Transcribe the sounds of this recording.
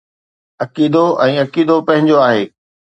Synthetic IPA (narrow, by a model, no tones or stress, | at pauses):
ɐkiːd̪oʔɛ̃ːɐkiːd̪opɐ̃ɦɪ̃ɲd͡ʑoaːɦeː